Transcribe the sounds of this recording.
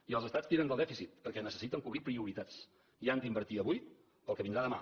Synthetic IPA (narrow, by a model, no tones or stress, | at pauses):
iəlˠzəst̪at͡st̪iɾənd̪əlˠd̪ɛfisit̪̚pəɾkɛnəsə̥sit̪əŋkuβɾipɾiuɾit̪at͡s | iand̪əimbəɾt̪iəβuj | əlˠkəβind̪ɾaðəma̰